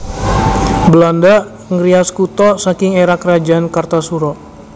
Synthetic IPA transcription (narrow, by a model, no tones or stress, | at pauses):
bəlanda | ŋɾiaskut̪ɔsakɪŋeɾakrad͡ʒaankart̪asuɾɔ